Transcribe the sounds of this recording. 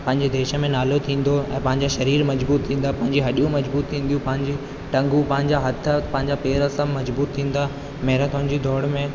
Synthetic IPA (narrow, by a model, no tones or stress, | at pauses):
pɐ̃ɦɪ̃ɲ̆d͡ʑed̪eːʃə̆mẽnaːlot̪ʰĩːn̆d̪oɛ̰̃ːpɐ̃ɦɪ̃ɲd͡ʑaʃɐɾiːɾmɐd͡ʑbuːt̪ʰːĩːn̆d̪apɐ̃ɦɪ̃ɲd͡ʑiɦɐɗijũmɐd͡ʑbuːt̪ʰːĩːn̆d̪ijũpɐ̃ɦɪ̃ɲd͡ʑi | ʈɐ̃ŋɡũpɐ̃ɦɪ̃ɲd͡ʑaɦɐt̪ʰə̆pɐ̃ɦɪ̃ɲd͡ʑapeːɾəsãmɐd͡ʑbuːt̪ʰːĩːn̆d̪a | meɦːɾət̪ʊɦɪ̃ɲd͡ʑid̪ɔːɽmẽ